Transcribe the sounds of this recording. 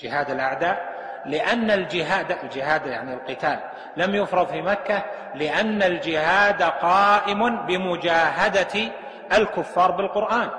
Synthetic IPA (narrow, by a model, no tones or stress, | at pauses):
d͡ʒɪɦaːd̪alʔaʕd̪aːʔ | lɪʔanːald͡ʒɪɦaːd̪ald͡ʒɪɦaːd̪ja̰ʕnilqɨt̪aːlː | amjʊfɾˤɑðˤfimakːa | lɪʔanːald͡ʒɪhaːd̪qɑːʔɪmʊnbɪmʊd͡ʒaːɦad̪a | ʔalkʊfːɑːɾˤbɪlqʊɾʔaːn